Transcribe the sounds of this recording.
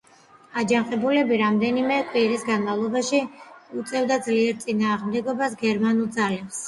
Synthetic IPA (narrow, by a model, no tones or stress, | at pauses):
ad͡ʒanχʼɛbulɛbiɾamd̪ɛnimɛkʼwiɾisɡanmavlˠɔbaʃiut̪sʼɛvd̪ad̪zliɛɾt̪sʼinaːʁmd̪ɛɡɔbasɡɛɾmanulˠd̪zalɛps